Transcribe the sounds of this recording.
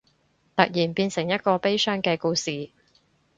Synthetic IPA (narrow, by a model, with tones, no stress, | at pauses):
t̪ɐ˨k̚jiː˨˩npiː˧nsɪ˨˩ŋjɐ˥t̚kɔː˧pe˥jsœː˥ŋkɛː˧kuː˧siː˨